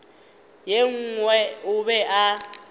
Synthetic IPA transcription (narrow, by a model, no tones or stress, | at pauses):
jeŋ̩ŋwɛʊβɛʔa